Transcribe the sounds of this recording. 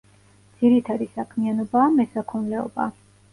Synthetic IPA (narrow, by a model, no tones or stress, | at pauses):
d̪z̥iɾit̪ʰad̪isakʰmianɔbaːmɛsakʰɔnlɛɔ̰ba̰